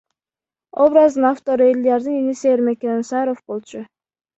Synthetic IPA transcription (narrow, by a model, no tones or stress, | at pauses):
obɾazd̪ɨnaft̪o̞ɾelʲiaɾd̪ɯniniseɾmekʲeninsɑɾofbo̞lˠt͡ʃʊ